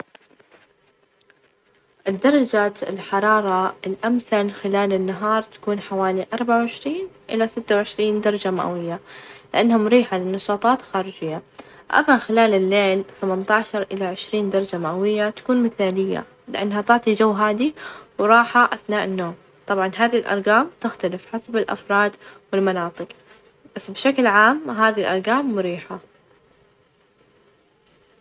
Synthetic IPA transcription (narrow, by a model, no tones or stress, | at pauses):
ʔɪd̪ːɑɾˤɑd͡ʒaːt̪ɪ̰lħɑɾˤɑːɾˤɑɪlʔamθalxɪlaːlɪnːaɦɑːɾˤt̪ḁkuːnħawaːliʔɑɾˤbaʕawʕɪʃɾiːnʔɪlasɪt̪ːawʕɪʃɾiːnd̪ɑɾˤɑd͡ʒama̰ʔawɪjːalɪʔanːhʊmɾiːħalɪnːɑʃɑːt̪ˤɑːt̪xaːɾɪd͡ʒɪjːa | ʔa̰mːaxɪlaːlɪlːeːlθamant̪aːʃɑɾˤʔɪlaʕɪʃɾiːnd̪ɑɾˤɑd͡ʒamaʔawɪjːat̪ḁkuːnmɪθaːlɪjːa̰ | lɪʔanːhat̪ʊʕt̪ˤid͡ʒawːɦaːd̪iwɾˤɑːħaʔaθnaːʔɪnːoːm | t̪ˤɑbʕɑnɦaːðilʔɑ̰ɾˤɣɑːmt̪ɪxt̪alɪfħasabɪlʔɑ̰fɾˤɑːd̪wɪlmanɑːt̪ˤɨq | b̥asːbɪʃaklʕaːmɦaːðilʔɑɾˤɣɑːmːʊɾiːħa